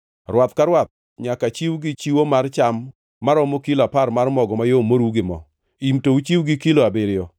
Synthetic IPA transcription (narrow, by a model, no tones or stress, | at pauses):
ɾwat̪kaɾwat̪̚ | ɲakat͡ʃiwɡɪt͡ʃiwomart͡ʃamː | aɾɔmokiloapaɾmarmɔɡɔmajomoɾuɡɪmɔ̰ | imtout͡ʃiwɡɪkiloabɪɾɪjɔ